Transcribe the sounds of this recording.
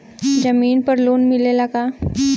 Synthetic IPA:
d͡ʑəmiːnpəɾluːnmilelaka

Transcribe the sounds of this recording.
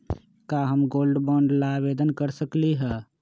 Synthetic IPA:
kaɦəmɡoːlɖbɔ̃ːɳɖlabeːd̪ənkəɾsəkliɦɛː

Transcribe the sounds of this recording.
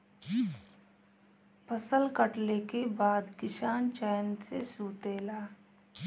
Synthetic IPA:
pʰəsəlkəʈlekebaːd̪kɪʃaːnt͡ʃaːjənsesuːt̪eːlaː

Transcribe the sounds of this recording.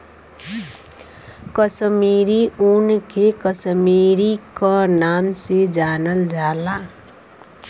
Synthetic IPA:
kʌsmiɾiunkʰekʌsmiɾikʌnamsed͡ʒanʌld͡ʒala

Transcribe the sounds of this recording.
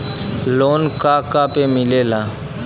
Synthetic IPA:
loːnkaːkaːpeːmɪleːlaː

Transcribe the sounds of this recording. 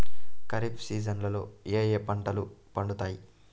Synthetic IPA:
kɐɾipsiːd͡ʒɐnlɐlo̞̰ːeːjepɐɳʈɐlu | pɐɳɖut̪aːji

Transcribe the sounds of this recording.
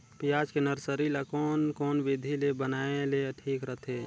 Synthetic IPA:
pijad͡ʒkenəɾsəɾilakɔnkɔːnbid̪ʱilebənaeleʈʰiːkɾəɦt̪ʰe

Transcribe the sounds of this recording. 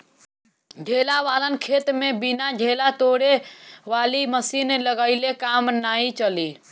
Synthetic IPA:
ɖʱelaʋalənkʰet̪mebinaɖʱelat̪oɽeʋaliməsinləɡəɪlekamnait͡ʃəli

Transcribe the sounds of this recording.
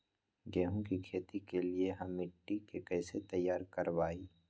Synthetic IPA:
ɡɛːɦõkikʰeːt̪ikelieɦɐmːɪʈːikekɛːset̪ɐjːaːɾkəɾʋaːiː

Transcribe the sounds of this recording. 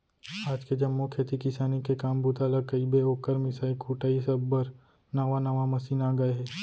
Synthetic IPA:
aːd͡ʒked͡ʒɐmːokʰet̪ikɪsaːnikekaːmbut̪aləkɐibeoːkəɾmɪsaːikʰuːʈaːisɐbbəɾ | nɐʋanɐʋamɐsiːnaːɡɐeɦɛː

